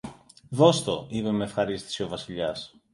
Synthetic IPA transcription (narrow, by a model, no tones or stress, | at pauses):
ðo̞st̪o̞ipe̞meefxɐɾist̪i̥sio̞vɐsiʎɐs